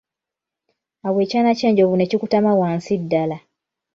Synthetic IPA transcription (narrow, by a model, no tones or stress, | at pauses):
awet͡ʃanat͡ʃeːɲɟovunecikutamawansidːala